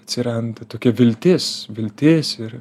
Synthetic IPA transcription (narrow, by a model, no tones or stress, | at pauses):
ɐt̪ʲsʲɪɾɐnd̪ɐt̪oːkʲɛʋʲɪlʲt̪ʲeːsʋʲɪlʲt̪ʲeːsɪɾ